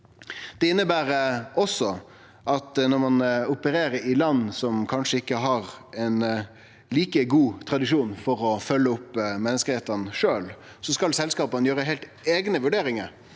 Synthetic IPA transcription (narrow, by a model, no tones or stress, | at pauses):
d̪̥ɛɪnːəbæːɾɔsːɔ | ʔɑt̪nɔɾmɑnʊpəɾeːɾəɪlɑnːsɔmkʰɑnʂəɪkːəɦɑɾɛn | liːkəɡuːt̪ʰɾɑd̪ɪʂuːnfɔɾɔfœlːəʊpːmɛnːəskəheːt̪ənʂøːl | sɔskɑlsɛlskɑːpənəjøːɾəɦeɪlt̪eːɡnəʋʉɖeːɾɪŋəɾ